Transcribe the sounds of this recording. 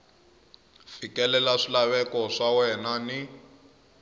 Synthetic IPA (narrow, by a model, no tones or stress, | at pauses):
fikɛlɛlaʂilaβɛkɔʂawɛnani